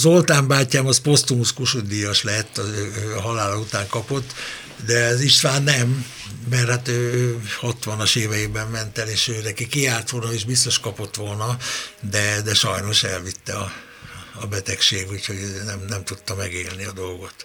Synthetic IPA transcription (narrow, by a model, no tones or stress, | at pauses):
zolt̪aːmbaːcːaːmɒspo̞st̪umuskuʃud̪ijɒʃlɛt̪ːɒzøːøːɦɒlaːlɒut̪aːŋkɒpo̞t̪ː | d̪ɛziʃt̪ʋaːnːɛmː | ɛrhaːt̪øːøːhɒt̪ʋɒnɒʃeːvɛjeːbɛmmɛnt̪ɛleːʃøːnɛkikiaːrt̪ʋolnɒiʒbist̪o̞ʃkɒpo̞t̪ʋo̞lnɒd̪ɛd̪ɛʃɒjno̞ʃɛ̰lvit̪ːɛɒː | bɛt̪ɛkʃeːɡhucho̞ɟnɛmnɛmt̪ut̪ːɒmɛɡeːlniɒd̪o̞lɡo̞t̪